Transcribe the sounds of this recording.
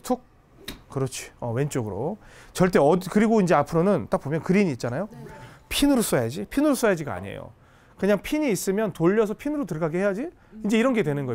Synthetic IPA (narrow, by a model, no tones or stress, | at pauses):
tʰuk̚ | kɯɾʌt͡ɕʰi̥ʌwe̞nt͡ɕ͈oɡɯɾo̰t͡ɕʌɭt͈e̞ʌkɯɾiɡoind͡ʑe̞apʰɯɾonɯnt͈ak̚p͈omjʌnkɯɾiɲiːt̚t͡ɕ͈anajopʰinɯɾos͈ʌjad͡ʑipʰinɯɾos͈ʌjad͡ʑiɡaa̰ɲiḛjo̰ | kɯɲaŋpʰiɲiːs͈ɯmjʌntoʎːʌs̬ʰʌpʰinɯɾotɯɭɡaɡehe̞jad͡ʑi | ind͡ʑe̞iɾʌnɡedwenɯnɡʌj